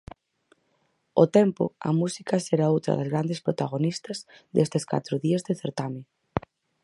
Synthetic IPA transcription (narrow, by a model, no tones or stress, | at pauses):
ot̪ɛmpʊ̰ɐ̰musikɐseɾaowt̪ɾɐ̰ðazɣɾand̪espɾot̪aɣ̞onist̪ɐzd̪est̪eska̰t̪ɾʊðiazðeθeɾt̪ame